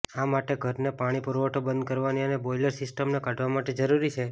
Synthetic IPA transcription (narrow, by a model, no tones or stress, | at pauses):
amaʈeɡʱəɾnepaɽ̃ipəɾʋoʈobənd̪̚kəɾʋaniəneboiləɾsɪsʈəmnekaɖʋamaʈed͡ʒəɾuɾit͡ʃʰe